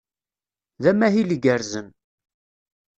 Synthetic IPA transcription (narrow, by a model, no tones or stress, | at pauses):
ðæmæɦiliɡəɾzən